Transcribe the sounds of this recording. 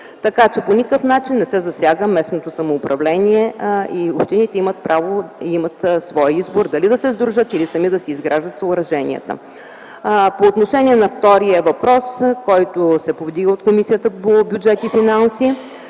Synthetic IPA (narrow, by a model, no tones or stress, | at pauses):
t̪ɐkat͡ʃɛponʲikəfnat͡ʃinːɛsɛzɐsʲjaɡəmɛsnot̪osɐmoːpɾɐvlɛnʲiɛiopʃt̪init̪ɛimət̪̚pɾʔavoimət̪svɔjizboɾd̪ɐlid̪ɐsɛzd̪ɾuʒət̪ilisɐmid̪ɐsɛizɡɾaʒd̪ət̪səʊɾɐʒɛnḭə̰t̪ə̰ | poːt̪noʃɛniɛnɐft̪ɔɾiəvɐpɾɔskɔjt̪osɛpovd̪iɡəot̪komisijət̪əpobjud͡ʒɛt̪ifinansi